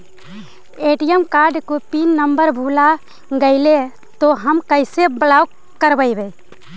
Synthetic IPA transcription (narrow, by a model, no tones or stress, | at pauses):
eːʈijəmkaːɾɖkopiːnːəmbəɾbʱuːla | ɡəɪle | t̪oɦəmkəɪsebəlaːw | kəɾbəibe